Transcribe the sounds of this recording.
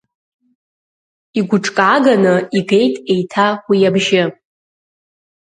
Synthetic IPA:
iɡʷʊʈ͡ʂʼkʼaɡanɨiɡe̞jtʼe̞jtʰawijabʒɪ

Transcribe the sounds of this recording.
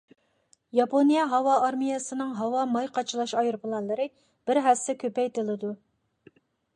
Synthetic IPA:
jɑponijɛɦɑwɑːɾmijɑsɨnɨŋɦɑwɑmɑjqʰɑt͡ʃʰɨlˠɑʃɑjɨɾpʰɨlˠɑnlˠɨɾɨ | b̥ɪɾɦæsɪkʲʰøpɛjt̪ɨlˠɨd̪u

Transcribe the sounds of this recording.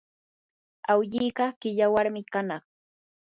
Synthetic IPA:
awʎijɢɑkɪʎawaɾmɪkanɑχ

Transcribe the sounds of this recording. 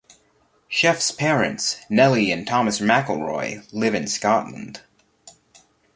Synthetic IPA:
ʃɛfspʰɛɹɨ̰̃ntsnɛlˠiɨ̃ntʰɑmɨsmækl̩ˠɹɔ̰ɪlɪvɨ̃nskɑʔˡlə̰̃n̩d̥

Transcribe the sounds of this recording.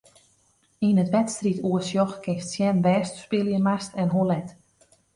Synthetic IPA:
inətʋɛtstrituəsjɔxkɪftsjɛnʋɛːstspɪlˠjəmastɛnɦoəlɛt

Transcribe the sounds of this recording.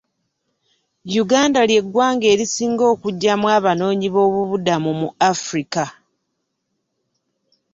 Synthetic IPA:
juɡaːndalje̞ɡwaːŋɡe̞ːɾisiːŋɡo̞ːkuɟːamwaːβano̞ːɲiβo̞ːβuβudamumuafɾika

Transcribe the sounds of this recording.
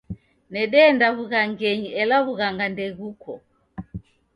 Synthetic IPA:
nɛɗɛːndaβuɣaŋɡɛɲiɛlaβuɣaŋɡandɛɣukʰɔ

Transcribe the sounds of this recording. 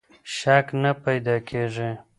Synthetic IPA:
ʃaknapajd̪ɑkʰeʐe

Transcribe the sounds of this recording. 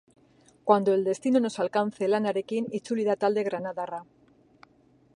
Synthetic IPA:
kwand̪o̞e̞ld̪e̞st̪inono̞salkan̟θe̞lanaɾekinit͡ʃuliðat̪ald̪e̞ɣɾanaðara

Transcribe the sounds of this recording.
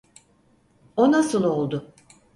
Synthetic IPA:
onasɯlˠo̞lˠd̪ʊ

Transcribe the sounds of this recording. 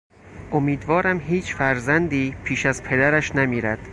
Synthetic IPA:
ʔomiːd̪vɒːɾæmɦiːt͡ʃʰfæɾzænd̪iːpʰiːʃæzpʰe̞d̪æɾæʃnæmiːɾæd̪̥

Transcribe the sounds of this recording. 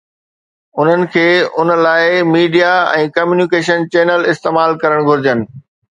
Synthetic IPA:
ʊn̤ənɪ̆kʰeːʊnə̆laːɪmiːɖijaɛ̰̃ːkɐmjuːnikeːʃənt͡ɕeːnəlɪst̪eːmaːlkɐɾəɽ̃ɡʱʊɾɪd͡ʑənɪ̆

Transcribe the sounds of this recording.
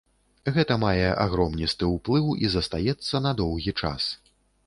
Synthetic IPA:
ɣɛt̪ɐmajɛʔa̰ɣɾɔmnʲist̪ɨwplˠɨwizɐst̪ajɛt̪sːɐnɐd̪ɔwɣʲit͡ʂa̰s

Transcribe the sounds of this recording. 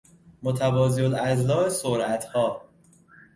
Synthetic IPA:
mot̪ʰævɒːziolæzlɒːesoɾʔæt̪ʰhɒː

